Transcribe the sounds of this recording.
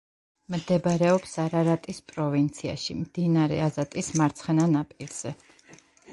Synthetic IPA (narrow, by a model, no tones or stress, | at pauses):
md̪ɛbɾɛɔpsaɾaɾat̪ʼispʼɾɔvint̪sʰia̰ʃḭmd̪̥inaɾɛ̰azat̪ʼismaɾt̪sʰχɛnanapʼilz̥ɛ